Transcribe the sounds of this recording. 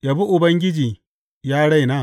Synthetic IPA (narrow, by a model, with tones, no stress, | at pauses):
ja˨bu˦ʔʊ˨bɐ˦ŋɡʲɪ˦d͡ʒiː˨ | jaː˦ɽa˦jnaː˦˨